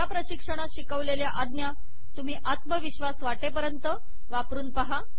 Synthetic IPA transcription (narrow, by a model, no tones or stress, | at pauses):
apɾəɕikʂəɽ̃aɕikəʋleljaʔad̪nja | t̪um̤iːʔat̪məʋiɕʋasʋaʈepəɾjənt̪ə | ʋapɾuːnpəɦa